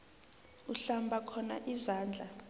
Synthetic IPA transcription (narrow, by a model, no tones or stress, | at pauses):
uɬambʱakʰɔna̰ʔizaːnd͡ɮʱa